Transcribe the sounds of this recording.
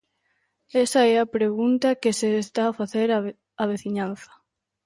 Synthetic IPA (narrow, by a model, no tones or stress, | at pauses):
ɛsɐɛɐpɾeɣunt̪ɐkesest̪aːfaθeɾ | ɐβeθiɲãn̟θɐ̥